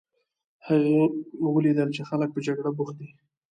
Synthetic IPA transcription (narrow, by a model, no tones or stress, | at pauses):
haɣəwəlid̪əlt͡ʃexalək̚pəd͡ʒaɡɽabuxd̪i